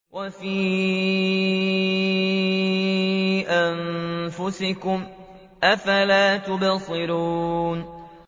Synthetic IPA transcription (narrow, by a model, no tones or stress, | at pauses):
wʔafiː | ʔanfʊsɪkʊm | ʔafalaːt̪ʊbɑsˤɨɾuːn